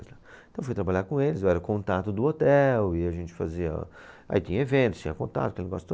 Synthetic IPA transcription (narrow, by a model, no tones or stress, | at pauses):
zla | ẽt̪ɐ̃w̃fujt̪ɾabaʎaɾkõelɪzewɛɾɐkõnt̪at̪ʊd̪ʊot̪ɛwɪaʒẽnt͡ʃɪ̥fa̰ziɐ̰ | a̰it͡ʃ̪ĩɲɐevẽnt̪ʊ̥st͡ʃĩɲɐkõnt̪a̰t̪ʊɐkelɪneɡɔsʊ̥